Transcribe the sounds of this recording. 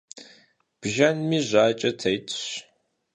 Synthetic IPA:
b̥ʒɐnmiːʑʷaːt͡ʃʼɐtʰɐjtʰɕ

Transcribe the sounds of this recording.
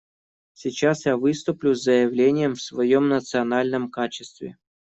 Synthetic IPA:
sʲɪt͡ɕasjavɨst̪ʊplʲʊzʲzəjɪvlʲenʲɪjəmfsvɐjomnət̪sɨɐnalʲnəmkat͡ɕɪst̪vʲɪ̰

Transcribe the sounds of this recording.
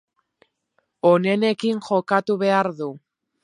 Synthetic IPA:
o̞ne̞ne̞kiŋʝo̞kat̪uβ̞e̞aɾðu

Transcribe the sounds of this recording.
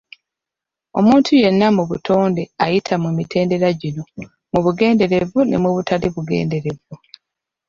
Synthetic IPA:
o̞̰muːntʰuje̞nːamuβutʰo̞ːnde̞ajitʰamumite̞ːnde̞ɾaɟino̞ | muβuɡe̞ːnde̞ɾe̞vunḛmuβutʰaliβuɡe̞̰ːnde̞ɾe̞vu

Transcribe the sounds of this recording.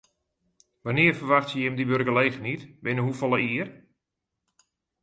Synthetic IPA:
ʋanɪərfərʋaxtjəjɪmdibørɡəleːɣənitbɪnəɦufɔlˠəiər

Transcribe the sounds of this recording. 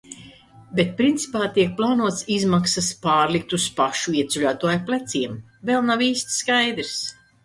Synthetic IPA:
bet̪̚pɾint̪si̥paːt̪iɛk̚plˠaːnuɔt̪sizmaksaspaːɾlik̚t̪uspaʃuiɛt̪sulʲaːt̪uɔjplʲˠɛt̪siɛm | vɛlˠnaviːst̪ʲskajd̪ɾs

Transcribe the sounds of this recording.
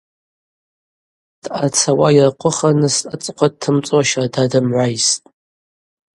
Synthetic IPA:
d̥at͡sʰawajɪrqʷʊχanɨstʼat͡sʼqʷʰad̚tʰːɨmt͡sʼoaʃadadɨmʕʷajstʼ

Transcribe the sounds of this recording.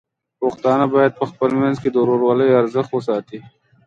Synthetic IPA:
poxt̪ɑːnabaːjəd̪̚pəxpəlmɛnzked̪oɾoːɾwaːləjɐɾzəxt̪wosɑːt̪i

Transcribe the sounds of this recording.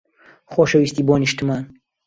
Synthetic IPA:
χoːʃɐwist̪iːboːniʃt̪ɨmaːn

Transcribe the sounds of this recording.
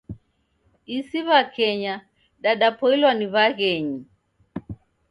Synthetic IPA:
isiβakɛɲa | ɗaɗapɔilwaniβaɣɛɲi

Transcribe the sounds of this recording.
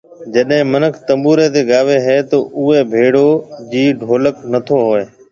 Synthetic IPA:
d͡ʑəɗɦɪ̃mənəkʰt̪ə̃mbuːɾeːt̪eːɠaːʋeɦɛːt̪oːʔʊɦebʱeːɽoːd͡ʑiːɖʱoːləknət̪ʰoːɦoːeː

